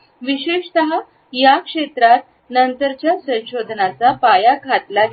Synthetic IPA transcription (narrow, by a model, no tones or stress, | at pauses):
ʋiɕeʂt̪əɦa | jakʂet̪ɾat̪̚ | nənt̪əɾt͡ɕjasə̃w̃ɕod̪ʱnat͡sapajakʰat̪la